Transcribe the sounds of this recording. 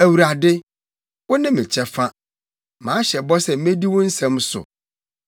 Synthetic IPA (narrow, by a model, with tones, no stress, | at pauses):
æ˨wu˨ɾa˨dɪ˦ | wʊ˦nɪ̃˦mɪ̃˨t͡ɕʰɛ˦fa˦ | mãː˨˦ɕɛ˨bɔ˦sɛ˨m̩˦mẽ˦di˦wɔ̃˦n̩˦sɛ̃˦msʊ̰˨